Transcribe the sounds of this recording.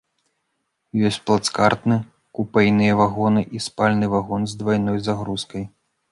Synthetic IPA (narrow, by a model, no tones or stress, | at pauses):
jɔsʲt͡sʲplˠat̪skart̪nɨ | kupɛjnɨjɐvaɣɔnɨʔispalʲnɨvaɣɔnzd̪vajnɔjzaɣɾuskɐj